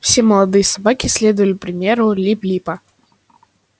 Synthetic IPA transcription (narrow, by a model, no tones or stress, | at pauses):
fsʲeməlˠɐd̪ɨjəsɐbakʲɪsʲlʲed̪ʊjəlʲɪpɾʲɪmʲeɾʊlʲiplʲipə